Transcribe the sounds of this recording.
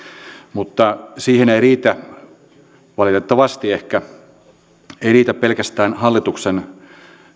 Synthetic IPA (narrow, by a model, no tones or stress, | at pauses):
mut̪ːɑsiːheneiriːt̪æ | ʋɑlit̪et̪ːɑʋɑst̪iehkæ | eiriːt̪æppelkæst̪æːnhɑlːit̪uksen